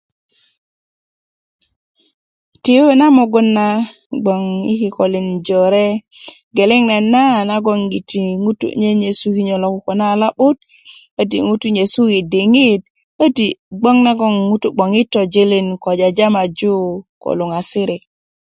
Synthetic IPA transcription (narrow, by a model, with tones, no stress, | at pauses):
ti˨˦e˦na˦mo˨ɡu˦nːa˦ | ɡ͡bo˨ŋi˦ki˨ko˨li˨nd͡ʒo˨ɾe˦ | ɡe˨le˦ŋne˨nːa˦na˦ɡo˦ŋɡi˨ti˨ŋu˦tṵ˦ɲe˦ɲe˨su˦ki˦ɲo˨lo˨ku˨ko˨na˦˨la˦ɓu˦t̚ | ə˦t̬i˨ŋu˦tu˦ɲe˨su˦ki˨di˨ŋi˦t | ə˦ti˨ɡ͡bo˦ŋna˦ɡo˦ŋːu˦tu˦ɡ͡bo˨ŋi˦tːo˨d͡ʒi˦li˦nko˨d͡ʒa˨d͡ʒa˦ma˨d͡ʒu˦ko̰˨lu˨ŋa˨si˦ɾi˨